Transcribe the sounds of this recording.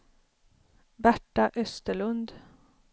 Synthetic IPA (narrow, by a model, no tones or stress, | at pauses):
bæʈɑʔœst̪əlʉnd̪